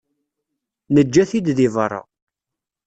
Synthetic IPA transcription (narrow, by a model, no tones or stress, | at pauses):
nəd͡ʒːæθid̪ðivərˤːɑ̰